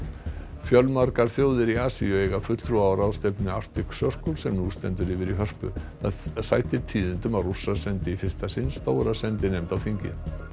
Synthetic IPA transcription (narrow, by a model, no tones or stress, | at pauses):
fjœlmaɾkaɾ̥θjoːwðɪɾiaːsḭʏeːjɣafʏt̪l̥t̪ɾuaːwɾawst̪ejpnɪar̥t̪ɪksœr̥kowlsɛmnuːst̪ɛnt̪̬ʏɾɪvɪɾiɦœr̥pʏ̰θaðsaːjt̪ɪɾt̪ʰiːðɪnt̪ʏmaðrusːasɛnt̪ɪifɪr̥st̪asɪnst̪oːwɾasɛnt̪ɪnejmt̪awθiɲcɪ̰n